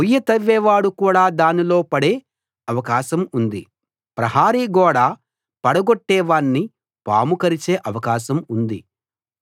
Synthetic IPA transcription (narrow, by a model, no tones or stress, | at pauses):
ujːɐt̪ɐʋːɛːʋaːɽukuːɽaːd̪aːnilo̞ːpɐɽeː | ɐʋɐkaːʃɐmund̪ḭ | pɾɐɦaːɾiɡɔːɽaː | pɐɽɐɡoʈːɛːʋaːɳːi | pa̰ːmukɐɾit͡ʃeːʔɐʋɐkaːʃɐmund̪i